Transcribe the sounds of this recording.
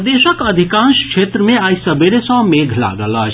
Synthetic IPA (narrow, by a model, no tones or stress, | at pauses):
d̪esəkəd̪ʱikãnskʃʰet̪ɾəmeaisəbeɾesə̃meɡʱla̰ɡələt͡ʃʰ